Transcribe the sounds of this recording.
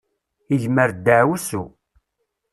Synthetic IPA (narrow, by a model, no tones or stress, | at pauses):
iʝməɾd̪ːəʕwusṵ